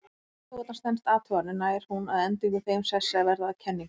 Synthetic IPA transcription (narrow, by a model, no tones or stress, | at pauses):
t̪ːɔt̪ast̪ɛnst̪aːt̪ʰœɣanɪnaːjɾ̥hunaðɛnt̪ɪŋkɪθejmsɛsːɛavɛɾðaːcʰɛnːɪŋ